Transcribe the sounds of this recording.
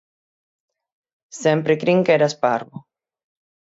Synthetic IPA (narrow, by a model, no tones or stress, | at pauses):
sẽmpɾɪkɾiŋkeɾaspaɾβʊ